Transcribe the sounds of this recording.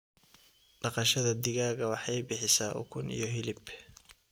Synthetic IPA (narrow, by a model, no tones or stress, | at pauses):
ɖɑqɑʃɐðɐd̪ɪɣaːɣɐwɑħɑjbɪħɪsaːʔʊ̰kʰʊnḭjɔɦɪlɪb